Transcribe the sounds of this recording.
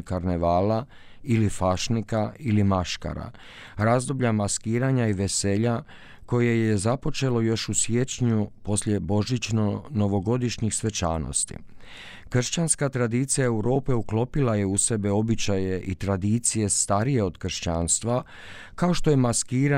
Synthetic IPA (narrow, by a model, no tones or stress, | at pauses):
kaɾneʋaːla | ilifaʃnikailimaʃka̰ɾa̰ | ɾazd̪o̞bʎamaskiːɾaɲaiʋese̞ːʎa | ko̞je̞je̞zapo̞t͡ʃe̞lo̞jo̞ʃusje̞t͡ɕɲupo̞sʎʲe̞bo̞ʒit͡ɕnono̞ʋo̞ɡo̞d̪iʃɲixsʋe̞t͡ʃa̰no̰st̪ḭ | kr̩ʃt͡ɕanskat̪ɾad̪it̪sijae̞wɾo̞ːpe̞uklo̞pilaje̞use̞be̞o̞bit͡ɕaje̞ʔit̪ɾad̪iːt̪sije̞st̪aɾijeo̞d̪kr̩ʃt͡ɕaːnst̪ʋa | kao̞ʃt̪o̞jemaskiːɾa